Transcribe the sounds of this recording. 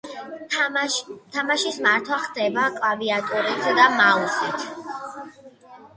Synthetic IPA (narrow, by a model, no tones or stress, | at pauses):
t̪ʰamaʃismaɾt̪ʰwaχd̪ɛbakʼlˠaviat̪ʼuɾit̪ʰd̪amalsit̪ʰ